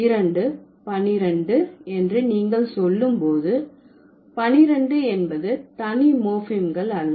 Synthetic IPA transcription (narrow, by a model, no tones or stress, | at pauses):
ɪɾɐɳɖɯ | pɐnɪɾɐɳɖɯɛndrɯniːŋɡɐɭsɔlːɯmpoːðɯ | pɐnɪɾɐɳɖɯɛnbɐðɯt̪ɐnimoːfɪmɡɐɭɐɻɯ